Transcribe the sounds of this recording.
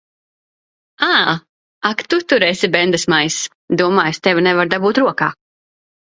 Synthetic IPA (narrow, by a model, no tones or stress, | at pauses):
aː | akt̪ut̪uɾɛːsʲibɛnd̪ɨsmajs | d̪uɔmaːjst̪ɛvnɛvaɾd̪abuːt̪ɾuɔkaː